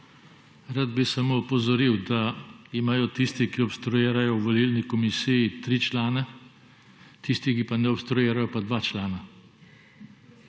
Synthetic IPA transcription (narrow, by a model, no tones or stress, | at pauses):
ɾad̪bisamoɔpɔzɔɾiwd̪aimaːjɔt̪ist̪ikiɔpst̪ɾujeːɾajɔwʋɔliːlnikɔmisijit̪ɾiːt͡ʃlaːnɛ | t̪ist̪ikipanɛɔpst̪ɾɔjeːɾajɔpad̪ʋat͡ʃlaːna